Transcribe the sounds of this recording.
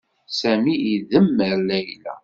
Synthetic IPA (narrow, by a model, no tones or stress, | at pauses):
sæmiiðəmːəlæjlæ̰